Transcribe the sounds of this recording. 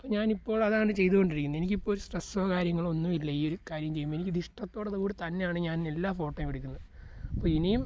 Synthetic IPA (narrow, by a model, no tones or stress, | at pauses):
ɐpːoːɲaːnipːo̞ːɭɐðaːɳɨt͡ɕe̞jt̪uɣoɳɖiɾikʲːunːe̞nikʲːipːoːlsʈresɐɐkaːɾjɐŋːɐɭo̞nːumilːɐiːo̞ɾukaːɾjɐmt͡ɕe̞jːumːɐenikʲːɨd̪iʂʈɐt̪ːo̞ːɽɐðɨkuːɽit̪ɐnːe̞jaːɳɨɲaːne̞lːaːfo̞ːʈːɐjmʋiɽikʲːunːɐðɐpːoːinijum